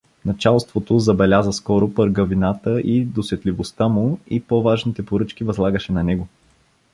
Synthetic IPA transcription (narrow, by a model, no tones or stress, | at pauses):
nɐt͡ʃalˠst̪vot̪ozɐbɛlʲazəskɔɾopəɾɡɐvinat̪əʔid̪osɛt̪livost̪amʊipɔvaʒnit̪ɛpoɾɤt͡ʃk̟ivɐzlˠaɡəʃɛnɐnɛɡo